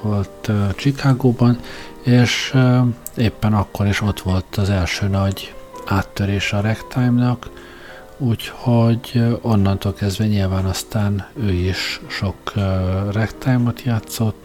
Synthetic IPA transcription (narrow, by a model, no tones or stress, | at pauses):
o̞lt̪t͡ʃikaːɡoːbɒn | eːʃ | eːpːɛnɒkːo̞ɾiʃo̞t̪ʋo̞lt̪ɒzɛlʃøːnɒɟaːt̪ːøɾeːʃɒɾɛkt̪ʰajmnɒk | uːcho̞ɟo̞nːɒnt̪oːlkɛzd̪ʋɛɲilvaːnɒst̪aːnøːiʃʃo̞krɛkt̪ajmo̞t̪jaːt̪so̞t̪ː